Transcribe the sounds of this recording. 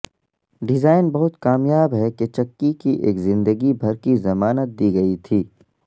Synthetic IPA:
ɖɪzaːɪnbɐɦʊt̪kaːmjaːbɦɛket͡ʃɐkːikiʔeːkzɪ̃nd̪əɡibʱɐɾkizɐmaːnət̪̚d̪iːɡɐit̪ʰiː

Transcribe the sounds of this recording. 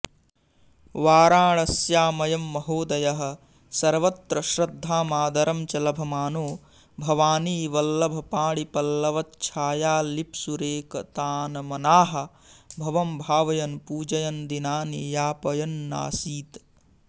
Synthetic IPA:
ʋaːɾaːɳɐsjaːmɐjɐmːɐɦoːd̪ɐjɐɦɐ̆ | sɐɾʋɐt̪ɾɐʃɾɐd̪ʱːaːmaːd̪ɐɾɐmt͡ʃɐlɐbʱɐmaːnoː | bʱɐʋaːniːʋɐlːɐbʱɐpaːɽipɐlːɐʋɐt̪̚t͡ʃʰaːjaːlipsuɾeːkɐt̪aːnɐmɐnaːɦɐ̆ | bʱɐʋɐmbʱaːʋɐjɐnpuːd͡ʒɐjɐnd̪inaːnijaːpɐjɐnːa̰ːsiːt̪

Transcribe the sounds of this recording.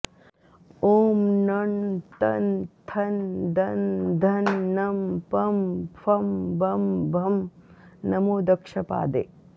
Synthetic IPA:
oːmnɐɳt̪ɐnt̪ʰɐnd̪ʱɐnd̪ʱɐnːɐmpɐmfʰɐmbʱɐmbʱɐmnɐmoːd̪ɐkʂɐpa̰ːd̪ḛː

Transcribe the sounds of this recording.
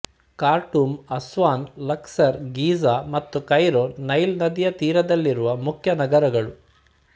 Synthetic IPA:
kaːɾʈumɐsʋaːnlɐksɐɾɡiːzaːmɐt̪ːukɐjɾoːnɐjlnɐd̪ijɐt̪iːɾɐd̪ɐlːiɾuʋɐmukʰjɐnɐɡɐɾɐɡɐɭu

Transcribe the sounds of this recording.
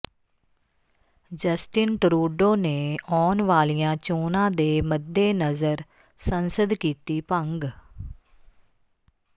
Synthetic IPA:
d͡ʒəsʈɪnʈɾuːɖoːneːɔːnʋaːlijãːt͡ʃoːnãːd̪eːməd̪ːeːnəzəɾ | sənsəd̪kiːt̪iːpəŋɡ

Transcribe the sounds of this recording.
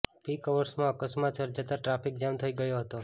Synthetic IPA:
pikəʋəɾsmãəkəsmat̪səɾd͡ʒat̪aʈɾafik̚d͡ʒamt̪ʰəiɡəjoɦət̪o

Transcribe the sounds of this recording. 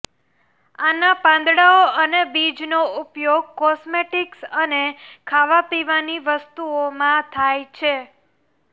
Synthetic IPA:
anapãnd̪ɽaoʔənebid͡ʒnoupjoɡ̚kɔsmeʈiksənekʰaʋapiʋaniʋəst̪uomãt̪ʰajt͡ʃʰe

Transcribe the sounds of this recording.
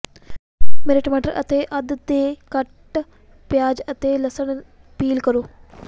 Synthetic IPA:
meɾɪʈmaːʈɐɾʔɐ̰t̪eːʔɐd̪d̪eːkɐʈː | pjaːd͡ʒɐt̪eːlɐsɐɳ | piːlkɐɾuː

